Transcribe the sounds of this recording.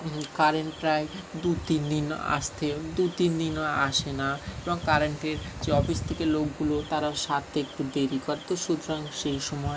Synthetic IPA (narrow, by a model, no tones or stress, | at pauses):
kaɾeɳpɾaed̪ut̪ind̪ina̰ʃt̪ʰed̪ut̪ind̪inaʃenaeboŋkaɾeɳʈeɾd͡ʑeɔfiʃt̪ʰekelokɡulot̪aɾaʃat̪ek̚ʈud̪eɾikɔɾt̪oʃud̪ʱɾaŋʃejʃɔmɔe